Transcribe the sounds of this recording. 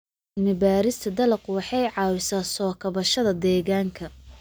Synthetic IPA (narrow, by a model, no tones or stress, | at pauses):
mɪbaːɾɪst̪ʰɐd̪ɐlɐqʊwɑħɑjʕɑːwɪsaːsɔːkʰɐβɐʃɐðɐd̪ɛːɣaːŋkʰɐ